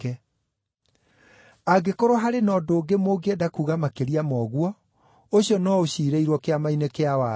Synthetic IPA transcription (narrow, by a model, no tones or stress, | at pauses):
ɛ | aɡekoɾoɦaɾenɔdoːɡemoːɡeedakuːɣamakeɾiamɔɣwɔ | oɕiɔnɔoɕiːɾeiɾwɔkeamainekeawa